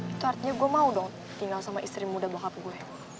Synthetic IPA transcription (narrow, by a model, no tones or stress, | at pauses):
it̪uart̪iɲaɡuɛmaudɔŋ | t̪iŋɡalsamaʔist̪ɾimudabaɦap̚ɡuɛ